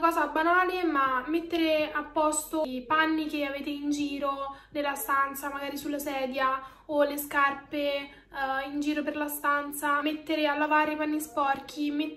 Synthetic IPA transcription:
akɔːzabːanaːlemamːet̪ːeɾeapːɔst̪opanːikeaveːt̪eind͡ʒiːɾonelːast̪ant̪samaɡaːɾisulːasɛːd̪ja | oleskarpe | ind͡ʒiːɾoperlast̪ant̪samet̪ːeɾealːavaɾipanːispɔrk̟ʰime

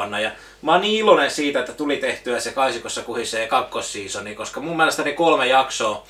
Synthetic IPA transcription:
ɑnːɑjɑ | mɑːnniːilonensiːt̪æet̪ːæt̪ulit̪eht̪yæsekɑisikosːɑkuhisːeːkɑkːosːiːsonikoskɑmumːiælest̪ænekolmejɑksoː

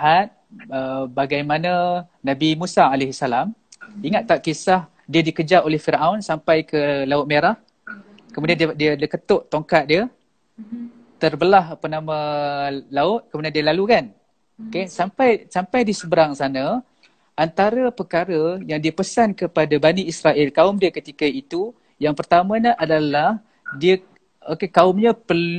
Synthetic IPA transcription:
ʔat̪̚əbaɡajmana | nabimusaːlehsalamiŋat̪̚ːaʔkisah | diədikəd͡ʒaʔolɛhfiɾʔaʊnsampajkəlaʊt̪̚meɾah | kəmudianddiəəkət̪ʊʔt̪oŋkat̪̚diə | t̪ərbəlahapənamə | laʊt̪̚kəmudiandiəlalukan | okesampajsampajdiəsəbəɾaŋsana | ʔant̪aɾəpəkaɾəjaŋdiəpəsankəpadabaniisɾaʔɛlkaʊmdiəkət̪ikəit̪u | jaŋpərt̪amə̃ɲaʔadalah | diə | okekaʊmɲapəl

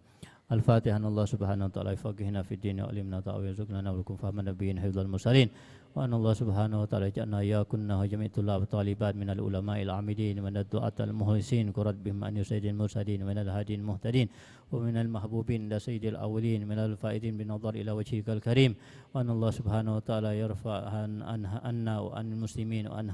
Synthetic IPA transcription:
ʔalfaːt̪ɪhʔanːaɑlˤːɑhsʊbhaːnahwat̪aʔa̰ːlajʊfakːɪhnafid̪ːiːnjʊ̰ʔa̰lɪmnat̪ˤɑ̰ʔwizʊknanawlakʊmfahmanːabijiːnħɪfd̪ˤalmʊɾsaliːn | waʔanːʔɑlˤːɑhsʊbħaːnahwat̪aʔaːlad͡ʒa̰ʔanaʔɪjakʊnːahd͡ʒamiʔt̪ʊlːaːbt̪ˤɑlɪbaːt̪̚mɪnalʔʊ̰lamaːʔalʕa̰ːmɪdiːnmɪnad̪ːʊʔa̰ːt̪a̰lmʊhlɪsiːnkʊɾˤɑd̪̚bɪhɪmʔa̰njʊsajːɪd̪almʊɾsaliːnmɪnalɦaːd̪ijalmʊht̪adiːn | wamɪnalmahbuːbiːnʔɪlasajːɪd̪ialʔa̰wːaliːnmɪnalfaːʔɪd̪iːnbɪnːɑðˤɑɾˤʔilawad͡ʒhɪkalkaɾiːm | waʔanːaʔɑlˤːɑhsʊbhaːnawat̪aʔaːlajɑɾˤfaʕananaʔanːawa̰ʔa̰nalmʊslɪmiːnwa̰ʔa̰n

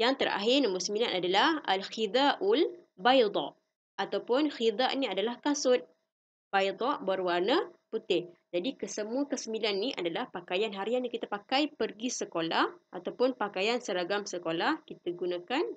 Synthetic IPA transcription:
jaŋt̪əɾa̰ɦɪnambusəmilanadalahalxid̪aʔul | bajd̪ˤɔ̰ʔ | at̪awpʊnxid̪aʔniadalahkasʊt̪̚ | b̥ajd̪ˤɔʔbərwanəput̪ɪhd͡ʒadikəsəmuəkəsəmbilanːiʔadalahpakajanɦaɾianikit̪apakajpərɡisəkolahat̪awpʊnpakajansəɾaɡamsəkolahkit̪aɡunãkan

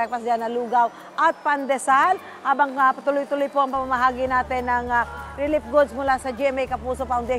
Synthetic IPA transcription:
k̚pasd̪ianaluɡaw | ʔat̪̚pand̪ɛsal | haːbaŋapat̪ʊlʊjt̪ʊlʊjpoʔaŋpamamaɦaːɡɪnaːt̪ɪnaŋɾilɪp̚ɡʊd̪̚smʊlasad͡ʒɛmɛjkapuːsopawnd̪e

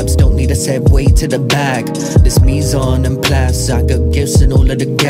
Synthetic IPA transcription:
bsd̥õʊ̃nːid̚tʰɨsɛɪweɪtʰɨðəbæɡ̥ | ðɪsmizənɨ̃npʰl̥æsaɪɡoʊɡ̥ɪvsɨ̃nɔlˠəðɨɡɛ

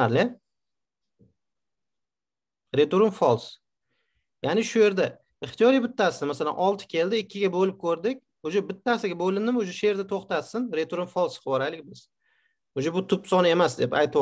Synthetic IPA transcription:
aɾle | ɾet̪uɾʊmfɒlˠs | janɪʃʊje̞ɾd̪a | ɪχt̪ijɒɾijbɪt̪ʰːasɪnmasala̰nʔɒlˠt̪ʰɪ̥kʲʰe̞ld̪ɪɪkʲʰːɪɡʲabolɪp̚kʰɵɾd̪ɪkʲ | od͡ʒabɪt̪ʰːasɪɡʲabolɪnd̪ɪmod͡ʒaʃee̞ɾd̪at̪ʰoχt̪at̪sɪnɾet̪ʰuɾumfɒlˠsχɒɾalɪkʲbɪz̥ | od͡ʒabʊt̪ʰʊpsɒnɪe̞masd̪e̞pajt̪ʰ

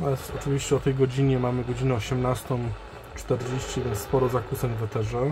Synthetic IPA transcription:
aɛsɔt͡ʂɘvʲiɕt͡ɕɛɔt̪ɛjɡɔd͡ʑiɲɛmamɘɡɔd͡ʑinɛɔɕɛmnast̪ɔ̃m | t͡ʂt̪ɛɾd͡ʑeɕt͡ɕivʲɛnsspɔɾɔzakusɛnvɛt̪ɛʐɛ

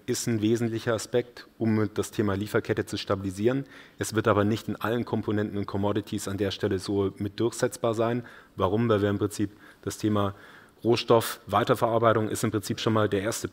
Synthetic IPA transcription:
ʔɪstn̩veːzn̩tlɪçɐaspɛk̚tʔʊmd̥astʰeːmaːliːfɐkʰɛtət͡suʃtabiliziːʁ̞ənʔɛsv̥ɪɐtʔaːbɐnɪçtɪnʔalənkʰɔmpʰonɛntn̩ʊnt̚kʰɔmɔdɪtʰisandeːɐʃtʰɛləzoːmɪt̚d̥ʊɐçz̥ɛt͡sb̥aːɐzaɪnvaʁ̞ʊmvaɪlviːɐɪmpʁ̥ɪnt͡siːp | d̥astʰeːmaː | ʁoːʃtɔfvaɪtɐfɛɐʔaɐbaɪtʊŋʔɪ̰stɪmpʁ̥ɪnt͡siːpʃoːnmaːldeːɐʔeːɐstə

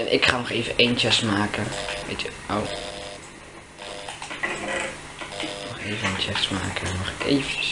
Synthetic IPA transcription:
ɛnʔɪ̰kχaːnɔχeːvəʔejnt͡ʃɛsmaːkəʋḛt | ow | nɔχeːvəənt͡ʃɛsma̰ːkənɔχḛjvəəs

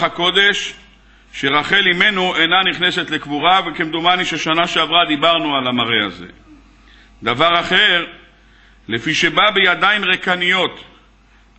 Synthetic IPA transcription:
ako̞d̪e̞ʃː | eʁaχe̞lime̞nuʔenaniχne̞se̞t̪lekvuʁavekemd̪umaniʃeʃanaʃeavʁad̪ibaʁnualamaʁea̰ze̞̰ | d̪avaʁaχe̞ʁ | lefiʃe̞babejad̪aimʁekanijo̞t̪

